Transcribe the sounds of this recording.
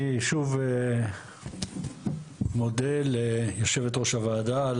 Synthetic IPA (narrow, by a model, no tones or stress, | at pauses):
ʃuve | modeljoʃevet̪ʁoʃavaːd̪al